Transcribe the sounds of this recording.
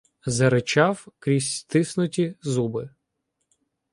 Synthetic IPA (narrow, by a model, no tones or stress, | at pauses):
zɐɾɪt͡ʃɑwkɾʲisʲt̪ɪsnʊtʲizubɪ